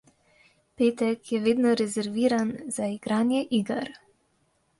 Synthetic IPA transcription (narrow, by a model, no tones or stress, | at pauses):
peːt̪ɛkjɛʋeːd̪nɔɾɛzɛɾʋiːɾanz̥aiɡɾaːnjɛʔiːɡaɾ